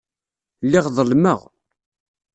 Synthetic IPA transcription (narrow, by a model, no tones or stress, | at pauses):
lːɪʁðˤəlməʁ